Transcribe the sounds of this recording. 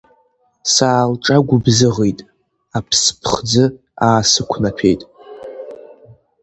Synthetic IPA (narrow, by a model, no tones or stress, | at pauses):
saːlʈ͡ʂʼaɡʷʊbzɨʁejtʼ | apʰspʰχd͡zɨ | aːsɨkʷʰnapʰe̞jtʼ